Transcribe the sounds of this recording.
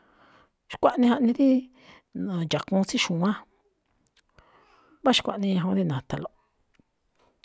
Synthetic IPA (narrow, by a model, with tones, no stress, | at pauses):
ʃkʷa˦ʔnĩ˧ha˧ʔnĩ˧ði˦ | ã˨d͡ʒa˨kũ˧˦˧t͡si˦ʃũ˨˦ã˦ | βa˦ʃi̥˧kʷa̰˨ʔnĩ˧ɲã˧ɦũ˧ði˦nã˨t̪a˧lo˨